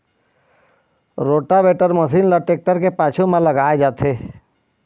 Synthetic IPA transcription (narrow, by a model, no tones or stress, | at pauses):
ɾoːʈabeːʈəɾmɐsiːnləʈeːk̚ʈəɾkepaːt͡ʃʰomãlɐɡaːed͡ʒaːt̪ʰeː